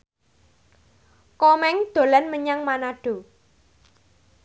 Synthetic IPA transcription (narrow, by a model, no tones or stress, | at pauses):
kɔmɛŋd̪̥o̤lɛnməɲaŋmanaɖ̥o̤